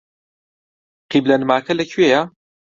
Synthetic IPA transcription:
qiblɐnmaːkʰɐlɐkʰɥeja

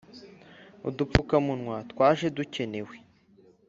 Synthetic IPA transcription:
ṵdupp͡fukamunŋwatwaːʒe̞duce̞ne̞we

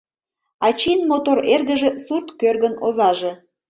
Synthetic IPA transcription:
ɑt͡ɕinmot̪oɾerɣəʒesurt̪kørɣənozɑʒe̽

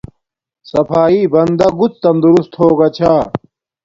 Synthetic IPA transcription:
sɐpʰaːibɐnd̪ɐɡut͡st̪ɐmd̪uɾust̪hoːɡɐt͡ɕʰaː

